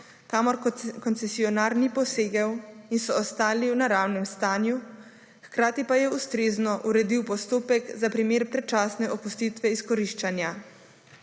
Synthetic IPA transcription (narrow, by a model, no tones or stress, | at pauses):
kamɔɾkɔnt̪sɛsiɔnaːɾnipɔseːɡawinsɔːst̪aːliwnaɾawnɛmst̪aːnju | xkɾaːt̪ipajɛust̪ɾeːznɔʔuɾɛd̪iwpɔst̪oːpɛkzapɾimeːɾpɾɛt͡ʃaːsnɛɔpust̪it̪ʋɛiskɔɾiʃt͡ʃanja